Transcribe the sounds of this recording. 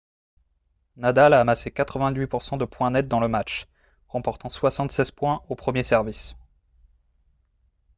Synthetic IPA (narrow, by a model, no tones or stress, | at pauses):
nad̪alaːmasekat̪χəvɛ̃d̪ɥipuʁsɑ̃d̪əpwɛ̃nɛt̪̚d̪ɑ̃ləmat͡ʃ | ʁɑ̃pɔʁt̪ɑ̃swasɑ̃t̪sɛz̥pwɛ̃opχəmjesɛʁvis